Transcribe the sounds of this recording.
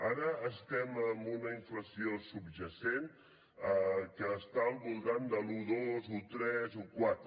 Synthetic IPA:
aɾəːst̪ɛməmbunəiɱfləsiosubʒəsen | əkəːst̪aəlˠβulˠt̪and̪əluðozut̪ɾɛzukwat̪ɾə

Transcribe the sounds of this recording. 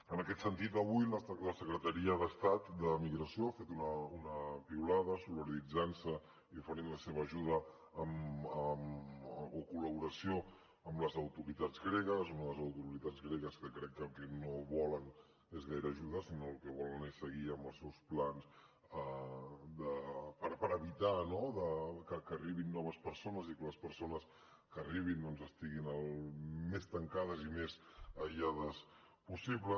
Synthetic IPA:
ənəkɛt̪sənt̪it̪əβujlləsəkɾət̪əɾiəðəst̪at̪d̪əmiɣɾəsioafet̪unəunəpiulaðəsulβəɾðid͡zansə | iufəɾinləseβəːʒuðə | əməm | okuləβuɾəsio | əmləzəwt̪uɾit̪ad͡zɣɾeɣəzunəðəzəwt̪uɾit̪ad͡zɣɾeɣəskəkɾɛkːəlˠkɛnoβɔlən | ezɣajɾəːʒuðasinolkɛβɔlənesəɣiəmbəlˠsɛwsplans | əd̪əpəɾpəɾəβit̪anoðəkəkəːriβinːɔβ̞əspəɾsonəzikələspəɾsonəs | kəːriβ̞ind̪ɔnzəst̪iɣinəlˠmest̪əŋkað̞əzimezəʒaðəs | pusiβlə

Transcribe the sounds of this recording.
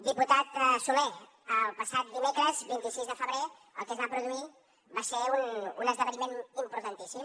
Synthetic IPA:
d̪iput̪at̪sulɛ | əlˠpəsat̪̚d̪imekɾəzbint̪isizðəfəβɾe | əlˠkəznapɾuðui | baseununəzðəβənimenimpɾut̪ənt̪isim

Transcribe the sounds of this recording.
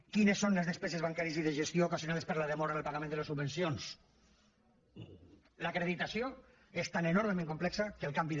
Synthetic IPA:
kinesːonlezðespɛzezβaŋkaɾieziðeʒest̪joukazjonaðespəɾlaðemɔɾaðəlpaɣamẽnd̪ələsubbensjons | lakɾeðit̪asio | est̪anenoɾmemẽŋkomplɛksakəlˠkambi

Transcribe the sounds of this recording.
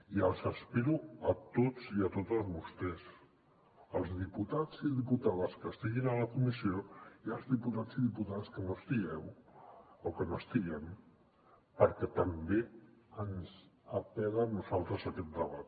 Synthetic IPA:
iəlˠzəspiɾuət̪od͡ziət̪ot̪əlzβust̪ɛs | əlˠzðiput̪az̥iðiput̪aðəskəst̪iɣinələkumisioiəlˠzðiput̪ad͡ziðiput̪aðəskənost̪iɣɛw | okənoəst̪iɣɛm | pəɾkɛt̪əmbe | ənzəpɛðənuzalˠt̪ɾəzəkɛt̪̚d̪əβat̪̚

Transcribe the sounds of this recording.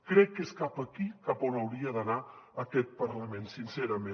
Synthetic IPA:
kɾɛkːeskapəkikaponəwɾiədənaəkɛt̪̚pəɾləmensinsɛɾəmẽ

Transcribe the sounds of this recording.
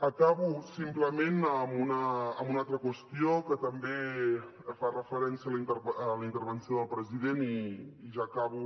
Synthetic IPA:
əkaβ̞usimpləmenəmunəːmbunalˠt̪ɾəkwəst̪iokət̪əmbe | farəfəɾɛnsiəlit̪əɾələint̪əɾβənsioðəlˠpɾəziðeniːʒakaβ̞u

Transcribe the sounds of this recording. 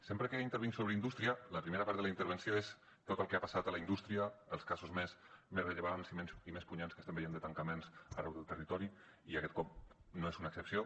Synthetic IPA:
sempɾəkeint̪əɾβiŋsoβɾəind̪ust̪ɾiələpɾimeɾapaɾt̪ðələint̪əɾβənsioes | t̪ot̪əlˠkeapasat̪ələind̪ust̪ɾiəːlˠskazuzmesmeɾəʎəβaɾansimensimespuɲanskəst̪embəjenət̪əŋkəmensərɛwðəlˠt̪ərit̪ɔɾi | iakɛt̪̚kɔp̚noezunəksəpsio

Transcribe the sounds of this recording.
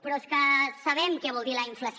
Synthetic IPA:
pɾɔeskəsɐβɛmkɛβɔlˠd̪iləiɱfləs

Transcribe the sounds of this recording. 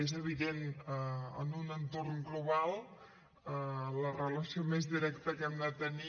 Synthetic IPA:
ezəβiðenəə̰nunənt̪orŋɡluβalˠ | ələrələsiomezðiɾɛkt̪əkɛmd̪ət̪əni

